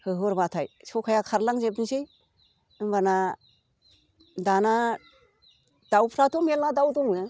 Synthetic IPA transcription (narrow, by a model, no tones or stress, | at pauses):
hɯɦɯɾbatʰajsʰɔkʰajakʰaɾlaŋzep̬nisɯj | ɯŋbana | dana | d̥awpʰɾatʰɔmelnadawdɔŋnɯ